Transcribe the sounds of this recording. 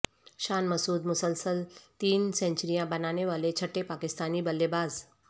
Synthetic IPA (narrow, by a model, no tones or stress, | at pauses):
ɕaːnməsuːd̪mʊsəlsəlt̪iːnsɛ̃ɲt͡ɕɾijãbənaneʋalet͡ɕʰəʈːepakist̪aniːbəlːebaːz